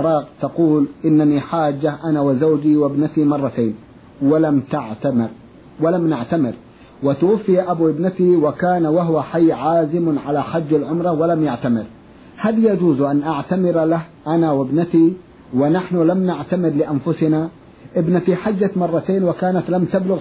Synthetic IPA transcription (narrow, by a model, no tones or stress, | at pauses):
ɾˤɑːqt̪ɑquːlʔɪnːaniħaːd͡ʒːaʔanawɪzawd͡ʒiwɪbnat̪imɑrˤːɑt̪eːn | wɪlamt̪aʕt̪amɪɾ | wɪlamnɪʕt̪amɪɾ | wɪt̪ʊwafːɪjaʔabuʔɪbnat̪iwɪkaːnawaɦʊwaħajːʕaːzɪmʕalaħad͡ʒːalʕʊmɾˤɑwalamjaʕt̪amɪɾ | haðjad͡ʒuːzʔanʔaʕt̪amɪɾalahʔanawɪbnat̪i | wɪnaħnʊlamnaʕt̪amɪɾlɪʔanfʊsɪna | ʔɪbnat̪iħad͡ʒːat̪mɑrˤːɑt̪eːnwɪkaːnat̪lamt̪ablʊɣ